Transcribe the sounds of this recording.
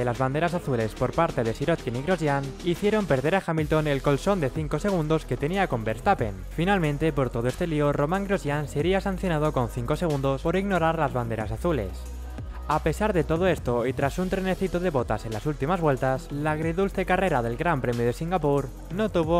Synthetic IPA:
elazβand̪e̞ɾasaθule̞spo̞ɾpaɾt̪e̞ð̞esiɾot̪̚kiniɣɾozjaniθjeɾo̞mpe̞ɾðe̞ɾaxamilt̪o̞ne̞lko̞lso̞nd̪e̞θiŋko̞se̞ɣ̞und̪o̞ske̞t̪e̞niako̞mbeɾst̪ape̞̰n | finalmẽ̞nt̪e̞po̞ɾt̪o̞ðoe̞st̪e̞lio̞ro̞mãŋɡɾozjanse̞ɾiasan̟θjo̞nað̞o̞ko̞nθiŋko̞se̞ɣ̞und̪o̞spo̞ɾiɣno̞ɾaɾlazβand̪e̞ɾasaθule̞̰s | ape̞saɾðe̞t̪o̞ð̞o̞e̞st̪o̞it̪ɾasunt̪ɾene̞θit̪o̞ðe̞βo̞t̪a̰se̞nlasult̪imazβwe̞lt̪aslaɣɾeðulθe̞kare̞ɾaðe̞lɣɾampɾe̞mjoð̞e̞siŋɡapuɾ | no̞t̪uβ̞o

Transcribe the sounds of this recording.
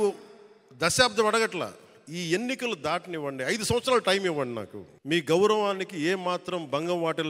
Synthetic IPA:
u | d̪ɐʃaːb̚d̪ʱɐmɐɽɐɡɐʈla̰ | iːe̞nːikɐlɐd̪aːʈɐniʋːɐɳɖiɐjd̪usɐ̃mʋɐt̪sɾaːlɐʈɐjmiʋːɐɳɖina̰ːkṵ | miːɡɐwɾɐʋaːnikieːmaːt̪ɾɐmbɐŋɡɐmʋaːʈɛl

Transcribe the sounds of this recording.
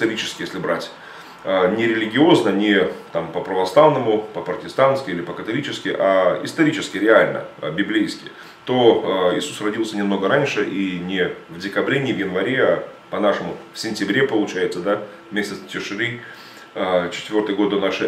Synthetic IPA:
ɪst̪ɐɾʲit͡ɕɪ̥skʲɪjesʲlʲɪbɾatʲ | ənʲɪɾʲɪlʲɪɡʲɪo̞znənʲɪt̪ampəpɾəvɐslˠavnəmʊpəpɾətʲɪst̪anskʲɪilʲɪpəkət̪ɐlʲit͡ɕɪskʲɪʔaɪst̪ɐɾʲit͡ɕɪskʲɪɾʲɪalʲnə̰bʲɪblʲejskʲɪ̰ | t̪o̞ɪsusrɐdʲilˠsʲənʲɪmno̞ɡəɾanʲʂɨʔinʲɪvdʲɪkɐbɾʲenʲɪvjɪnvɐɾʲe̞a | pɐnaʂɨmʊfsʲɪnʲtʲɪbɾʲe̞pəlˠʊt͡ɕæjɪt̪səd̪a | vmʲesʲtʲɪt̪stʲɪʂɨɾɨ | ət͡ɕɪ̥t̪ʲvʲo̞rt̪ɨjɡo̞t̪ːonaʂɨ

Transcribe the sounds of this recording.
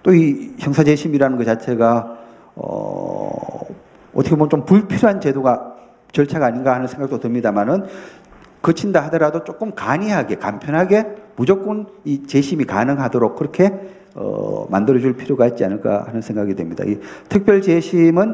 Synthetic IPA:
t͈oiçjʌŋsʰad͡ʑe̞ɕʰimiɾanɯnkɯt͡ɕat͡ɕʰe̞ɡa | ʌ̰ | ʌt̪ʰʌkʰemʌnt͡ɕompuɭpʰiɾjoɦant͡ɕe̞doɡa | t͡ɕʌɭt͡ɕʰaɡaːɲinɡahanɯnsʰeŋɡak̚t͈otɯmɲidamanɯn | kɯt͡ɕʰindaɦadʌɾadot͡ɕ͈ok͈ɯmkaɲiɦaɡe̞kampʰjʌnɦaɡe̞mud͡ʑʌk͈ɯnit͡ɕe̞ɕʰimikanɯŋɦadoɾok̚k͈ɯɾʌkʰe̞ | ʌ̰mandɯɾʌd͡ʑuɭpʰiɾjoɡaet̚t͡ɕianɯɭk͈a̰hanɯnsʰe̞ŋɡaɡidwe̞mɲida̰itʰɯk̚p͈jʌɭt͡ɕe̞ɕʰimɯn

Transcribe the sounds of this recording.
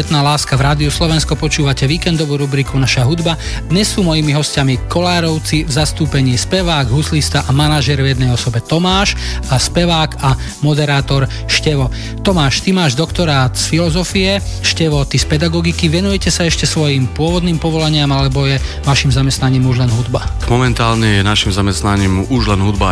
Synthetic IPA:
ɛt̪naːlaːskavɾaːd̪iuslɔʋɛnskɔpɔt͡ʃuːʋacɛʋiːkɛnd̪ɔʋuːɾubɾikunaʃaɦud̪bad̪ɲɛsːuːmɔjimiɦɔscamikɔlaːɾɔʊt͡sivzast̪uːpɛɲiːspɛʋaːɡɦuslist̪aʔamanaʒɛɾvjɛd̪nɛjɔsɔbɛt̪ɔmaːʃaspɛʋaːka | mɔd̪ɛɾaːt̪ɔɾ | ʃcɛʋɔ | t̪ɔmaːʃt̪imaːʒd̪ɔkt̪ɔɾaːt̪sfilɔzɔfiɛʃcɛʋɔt̪ispɛd̪aɡɔɡikiʋɛnujɛcɛsaɛʃcɛsʋɔjimpʊɔʋɔd̪niːmpɔʋɔlaɲɪamalɛbɔjɛ | ʋaʃimzamɛst̪naɲiːmuʒlɛnɦud̪bamɔmɛnt̪aːlɲɛjɛnaʃimzamɛst̪naɲiːmuʒlɛnɦud̪ba̰

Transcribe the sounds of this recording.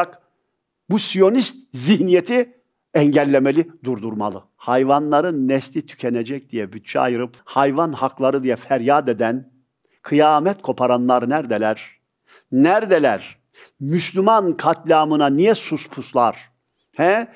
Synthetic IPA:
ak | busijo̞nist̪̚ziɦnijet̪ʰi | ɛɲɟɛlʲːemelʲid̪uɾd̪uɾma̰lˠɯ | hajvanlˠaɾɯnːɛslʲit̪ʰy̥cʰɛned͡ʒɛc̚d̪̥ijɛbyt̪̚t͡ʃʰɛa̰jɯɾɯphajvanhaklˠaɾɯd̪ijɛfæɾjaːd̪ed̪æn | kʰɯjaːmɛt̪kʰo̞pʰaɾanlˠaɾnæɾd̪ɛlʲæɾ̥ | næɾd̪ɛlʲæɾ | myslʲymankʰat̪lʲaːmɯnanijɛsuspʰuslˠaɾ̥ | hɛ

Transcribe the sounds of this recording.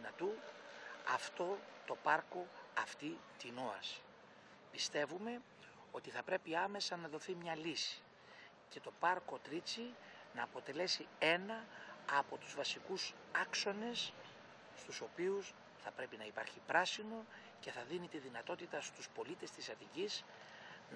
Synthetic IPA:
nɐt̪u | ɐft̪o̞t̪o̞pɐɾko̞ɐft̪it̪inoɐs | pist̪e̞vume̞ | o̞t̪iθɐpɾe̞piɐme̞sɐnɐðo̞θimɲɐlisi̥ | ce̞t̪o̞pɐɾko̞t̪ɾit͡sinɐːpo̞t̪e̞le̞sie̞nɐːpo̞t̪uzvɐsikus | ɐkso̞ne̞s | st̪uso̞pius | θɐpɾe̞pinɐipɐɾçipɾɐsino̞ | ce̞θɐðinit̪iðinɐt̪o̞t̪it̪ɐst̪uspo̞lit̪e̞st̪isɐt̪icis | n

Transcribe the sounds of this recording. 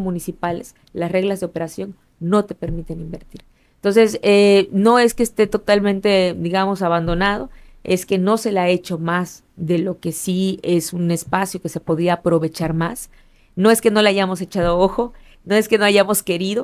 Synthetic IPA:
mũnisipale̞̰s | lasre̞ɣlazðeo̞pe̞ɾasjo̞n | no̞t̪e̞pe̞ɾmit̪enimbe̞ɾt̪iɾ | ent̪o̞nse̞seno̞e̞skeːst̪e̞t̪o̞t̪almẽnt̪e̞d̪iɣamo̞saβand̪o̞nað̞o̞ | e̞ske̞no̞se̞lae̞t͡ʃo̞maz | ðe̞lo̞ke̞sie̞sune̞spasjo̞ke̞se̞po̞ðɾiaːpɾo̞βe̞t͡ʃaɾmas | no̞e̞ske̞no̞leaʝamo̞se̞t͡ʃaðo̞oxo̞ | no̞e̞ske̞no̞aʝamo̞ske̞ɾiðo̞

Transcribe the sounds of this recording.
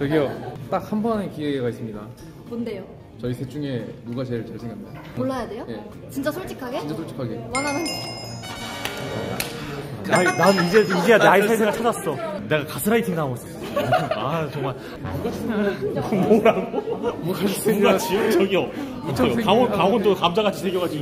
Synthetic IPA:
tɯɡijot͈ak̚hambʌnekieɡais͈ɯmɲida | monde̞jo | t͡ɕʌisʰe̞t͡ɕ͈uŋe̞muɡat͡ɕeɾɯɭt͡ɕaɭsʰeŋan | oɭːajade̞joje | t͡ɕint͡ɕ͈asʰoɭt͡ɕ͈ʰikʰaɡe̞int͡ɕasʰoɭt͡ɕʰi̥kʰaɡewananɦanɡe | aida̰nainaid͡ʑe̞ind͡ʑijanaisʰaɭsʰeɡat͡ɕʰad͡ʑas͈ʌne̞ɡakasʰɯɾaitʰiŋdas͈ʌʌat͡ɕoŋmaɭ | a̰uɡaeŋamoɾaɡomuɡad͡ʑesʰeŋɡad͡ʑʰit͡ɕʌɡiʌ | kaonkaondokamd͡ʑaɡat͡ɕʰisʰeɡjoɡad͡ʑiɡo

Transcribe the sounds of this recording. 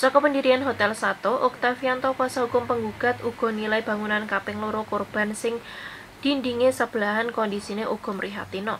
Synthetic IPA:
sɔkɔpəndiɾianɦot̪ɛlsat̪ɔʔʊk̚t̪afiant̪ɔkwasaɦukʊmpəŋɡuɡ̥a̤t̪uɡ̥ɔ̤nilaib̥a̤ŋunankapɪŋloɾokorb̥a̤nsɪŋ | d̪̥indiŋesəb̥əlaɦankɔndisineʔuɡ̥ɔ̤məɾiɦa̰t̪inɔ

